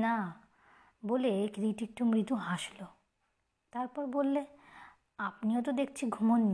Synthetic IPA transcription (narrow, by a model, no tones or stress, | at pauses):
na | bolekɾiʈik̚ʈumɾid̪ʱuɦaʃlo | t̪aɾpɔɾbolːe | apniot̪̬od̪ek̚ʰt͡ɕʰiɡʱumonː